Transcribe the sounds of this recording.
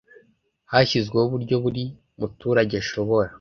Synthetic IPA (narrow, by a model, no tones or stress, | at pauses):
haçizɡweuβuɾɟo̞βuɾi | mutuːɾaɟeʃo̞βo̞ɾa